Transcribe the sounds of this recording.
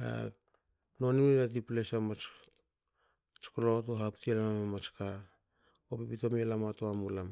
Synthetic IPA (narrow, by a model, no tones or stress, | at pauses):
a̰ | no̞niminat̬iplesamat͡ʃ | t͡ʃkolat̬oɦap̚tialammamat͡ʃka | opipitomielamatoamulam